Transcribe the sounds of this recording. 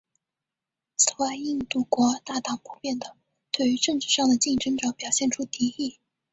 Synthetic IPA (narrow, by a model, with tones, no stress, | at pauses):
s̩˨˩wa˥˧i˥˧ŋt̪u˥˩kwɔ˧˥t̪a˥˩t̪ɑ˨˩ŋpu˨˩pjɛ˥˩nd̪ə˩ | t̪we˥˩y˧˥ʈ͡ʂɤ˥˧ŋʈ͡ʂɻ̩˥˧ʂɑ˥˩ŋd̪ə˩t͡ɕi˥˩ŋʈ͡ʂɤ˥ŋʈ͡ʂɑ˧˥ŋpjɑ˨˩ʊɕjɛ˥˩nʈ͡ʂʰu˥t̪i˧˥i˥˩